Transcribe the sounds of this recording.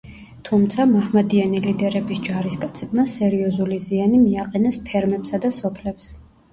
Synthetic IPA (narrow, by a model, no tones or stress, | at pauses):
t̪ʰumt̪sʰamahmad̪ianilid̪ɛɾɛbisd͡ʒaɾiskʼat̪sʰɛbnasɛɾiɔzulizianimiaqʼɛnɛspʰɛɾmɛpsad̪asɔpʰlɛps